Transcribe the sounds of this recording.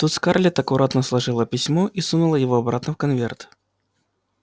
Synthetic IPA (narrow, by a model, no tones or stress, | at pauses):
t̪ut̪skarlʲɪt̪ɐkʊɾʔat̪nəslˠɐʐɨlˠəpʲɪsʲmoʔisunʊlˠəjɪvoɐbɾat̪nəfkɐnvʲert̪